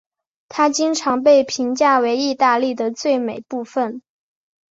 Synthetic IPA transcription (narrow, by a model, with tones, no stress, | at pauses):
t̪ʰa˥t͡ɕi˥ŋʈ͡ʂʰɑ˧˥ŋp̬e˥˩ɪpʰi˧˥ŋt͡ɕja˥˩we˧˥ɪi˥˧t̪a˥˧li˥˩d̪ə˩t͡swe˥˩ɪme˨˩ɪpu˥˧fə˩n